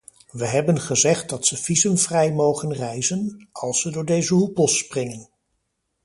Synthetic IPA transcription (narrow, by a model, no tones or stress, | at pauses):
ʋəɦɛbənχəzɛχt̚dɑtsəvizəmvrɛjmowχənrɛjzənɑlˠsədʊːɹdejzəɦupɔsprɪŋən